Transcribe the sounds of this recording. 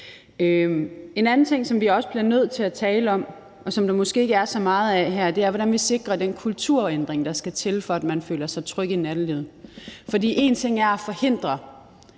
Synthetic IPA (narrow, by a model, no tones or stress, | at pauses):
øe̝nænn̩t͡sʰe̝ŋ̰sɒ̽mʋiɒ̽səb̥liɐnøð̞̰ˠt͡sʰe̝læt͡sʰɛːləɒ̽m | ɒ̽sɒ̽md̥ɑ̈mɒ̽sɡ̥e̝̰ːeɡ̥əæɐsɒ̽mɑ̈ːð̞̩ˠæɦæɐ̰d̥e̝æɐʋɒɾænʋise̝ɡ̥ʁɐd̥enkʰult͡sʰuɐ̰end̥ʁeŋd̥ɑ̈sɡ̥æt͡sʰe̝lfɒ̽æd̥mænfø̰ːlɐsɑ̈ɪt͡sʰʁœɡ̥inæd̥liðˠfɒ̽dḭːʔe̝nt͡sʰe̝ŋ̰æɐæfɒ̽he̝n̰d̥ʁɐ